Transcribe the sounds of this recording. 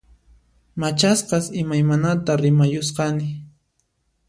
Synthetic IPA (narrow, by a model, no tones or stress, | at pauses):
mat͡ʃasqɑsɪmajmanat̪aɾɪmajʊsqɑnɪ